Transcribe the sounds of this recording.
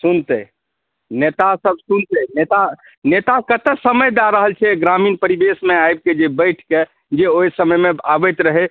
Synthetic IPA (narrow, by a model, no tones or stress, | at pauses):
sunt̪ə | net̪asəbsunt̪ɛnet̪a | net̪akət̪əsəməjd̪aɾəɦəlt͡ʃʰɛɡɾaminpəɾibesmeajb̚ked͡ʒebəjʈʰke | d͡ʒeojsəməjmeabət̪ɾəɦe